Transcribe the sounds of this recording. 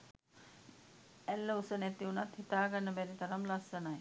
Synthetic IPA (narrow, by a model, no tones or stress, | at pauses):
ælːəusənɛt̪iunat̪hit̪aːɡanːəbɛɾit̪ɐɾamlasːənaj